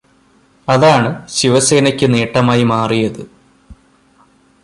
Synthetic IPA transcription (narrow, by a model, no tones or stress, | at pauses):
ɐðaːɳɨɕiʋɐse̞ːnɐkʲːɨneːʈːɐmaːjimaːrijɐðɨ